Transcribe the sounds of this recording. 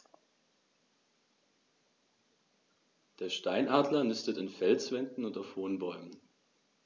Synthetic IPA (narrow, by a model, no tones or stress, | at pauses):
d̥eːɐʃtaɪnʔaːdlɐnʏstətɪnfɛlsv̥ɛndn̩ʊntaʊfhoːənbɔʏmən